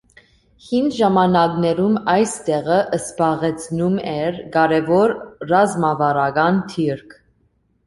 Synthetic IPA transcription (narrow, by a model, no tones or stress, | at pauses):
hind̪ʒɑmɑnɑknɛɾumɑjst̪ɛʁəʔəsbɑʁɛt͡sʰnumɛɾɡɑɾɛvɔɾrɑzmɑvɑɾɑɡɑnt̪ʰiɾkʰ